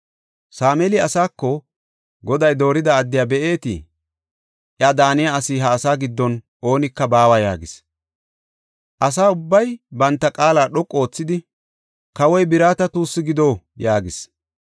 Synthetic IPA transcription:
saːmɛlɪɐsaːkːɔ | ɡɔd̪ɐjd̪o̞ːɾɪd̪ɐːd̪ːɪjaːbɛʔe̞ːt̪ḭ | ʔɪad̪aːnɪjaɐsɪɦɐːsaːɡɪd̪ːɔn | ʔo̞ːnɪkːɐbaːwajaːɡɪs | ʔɐs̬aːʊbːɐjbɐnt̪ːɐkʼaːlaːɗɔkʼːo̞ːt͡sːɪd̪ɪ | kɐwɔjbɪɾaːt̪ɐt̪uːsːɪɡɪd̪o̞ː | jaːɡɪs

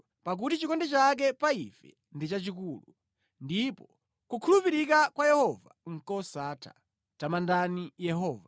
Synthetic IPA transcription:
pak̬utit͡ʃikɔndɛt͡ʃak̬ɛpaifɛ̰ | ndit͡ʃat͡ʃikuːlu | ndipɔ | kukʰulupiɾikakwajɛhɔva̰ŋ̩kɔsaːtʰḁ̰ | tamandanijɛɦɔːva

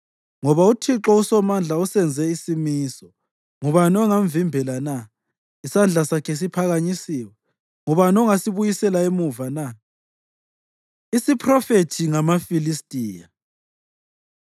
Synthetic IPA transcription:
ŋɔβautʰiǁɔusɔmand͡ɮʱausɛnd͡zʱɛisimiːsɔ | ŋuβanɔŋaɱvimbʱɛlana | isand͡ɮʱasakʰɛs̬ipʰaɣaɲisiːwɛ | ŋɔβanɔŋasiβujisɛlaemuvana | isipʰrɔfetʰiŋamafilistʼiːja

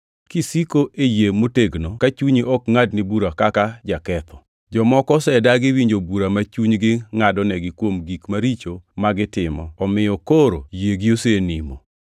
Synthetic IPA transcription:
kisikoʔejemoteɡnokat͡ʃuɲiʔɔkŋadnibuɾakakad͡ʒakɛt̪ʰɔ | d͡ʒɔmɔkɔsɛdaɡɪwiɲd͡ʒobuɾamat͡ʃuɲɡɪŋadɔnɛɡɪkwomɡikmaɾit͡ʃomaɡɪtɪmɔ̰ɔmɪjɔkoɾojeɡiosenimo̰

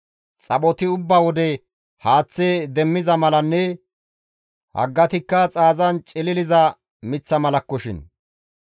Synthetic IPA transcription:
t͡sʼɐɓɔt̪ɪʊbːawɔd̪ɛ | haːt͡sːeːd̪ɛmːɪzɐmɐlɐnːɛ | hɐ̰ɡːɐt̪ɪkːɐt͡sʼaːzɐnt͡ʃʼɪlɪlɪzɐ | mɪt͡sːɐmɐlɐkːɔʃɪ̰n

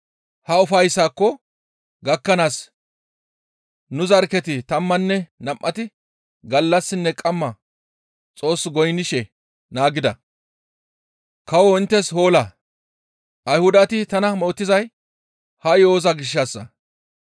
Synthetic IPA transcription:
hɐʊfɐjsːaːkːɔ | ɡɐkːɐnaːs | nʊzɐɾkɛt̪ɪt̪ɐmːɐnːɛnɐmʔɐt̪ɪ | ɡɐlːɐsːɪnːɛkʼɐmːɐ | t͡sʼo̞ːsːɡɔjnɪʃɛ | naːɡɪd̪ɐ | kɐwɔɪnt̪ːɛshoːlɐ | ʔɐjhʊd̪ɐt̪ɪt̪ɐnɐmo̞ːt̪ːɪzɐj | hɐjo̞ːzɐɡɪʃːɐsːɐ̰

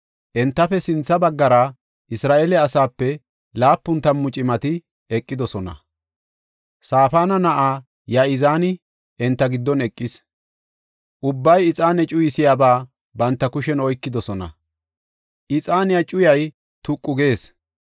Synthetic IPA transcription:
ʔɛnt̪ːɐfɛsɪnt͡sːɐbɐɡːɐɾa | ʔɪsɾaːʔɛlɛɐsaːpːɛ | laːpːʊnt̪ɐmːʊt͡ʃʼɪmɐt̪ɪ | ɛkʼːɪd̪ɔsɔnɐ̰ | saːfaːnɐnɐʔaː | jaʔɪzaːnɪ | ʔɛnt̪ːɐɡɪd̪ːɔnɛkʼːɪs | ʔʊbːɐjɪt͡sʼaːnɛt͡ʃʼʊjɪsɪjaːbaː | bɐnt̪ːɐkʊʃɛnɔjkːɪd̪ɔsɔnɐ̰ | ʔɪt͡sʼaːnɪjɐt͡ʃʼʊjɐj | t̪ʊkʼːʊɡe̞ːs

